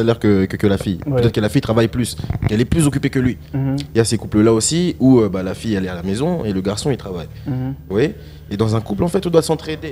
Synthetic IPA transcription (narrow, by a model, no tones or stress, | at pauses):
alɛʁkəkəkəlafijpøt̪ɛt̪χəkəlafijt̪χavajplyskɛlɛplyzɔk̬ʲypekəlɥi | ijasekupləlaosiuøbalafijalɛalamezɔ̃eləɡaʁsɔ̃ilt̪χava̰j | waje | ed̪ɑ̃zɛ̃kuplɑ̃fɛt̪ɔ̃d̪wasɑ̃t̪χed̪e